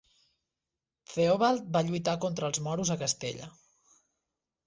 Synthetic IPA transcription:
feoβalˠt̪̚baʎujt̪akɔnt̪ɾəːlˠzmɔɾuzəkəst̪ḛʎə̰

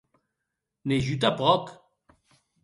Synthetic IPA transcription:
neʒyt̪apʁɔk

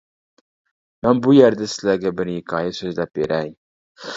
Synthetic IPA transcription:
manbʊjeɾd̪asɪzlaɾɡʲabɪɾjɪkʰɑjasɵzlap̚beɾajm

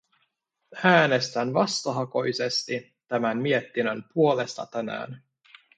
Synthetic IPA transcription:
æːne̞st̪ænʋɑst̪ɑɦɑko̞jsest̪i | t̪æmænmie̞t̪ːinømpuole̞st̪ɑ̰t̪ænæ̰ːn

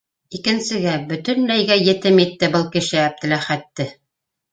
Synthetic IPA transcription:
ikɘ̆nsɘ̆ɡæbɵ̆t̪ɵ̆nlæjɡæjɘ̆t̪ɘmit̪ːɘbɤlˠkɘ̆ʃɘæb̚d̪ɘ̆læχæt̪ːɘ

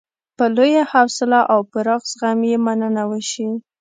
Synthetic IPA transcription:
pəlojahawsɪlaʔawpəɾaɣsɣamjemanənawəʃi

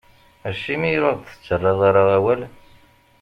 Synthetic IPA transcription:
æʃimijɾɑðˤθə̥t͡sːərˤːɑðˤaɾaʁæwæl

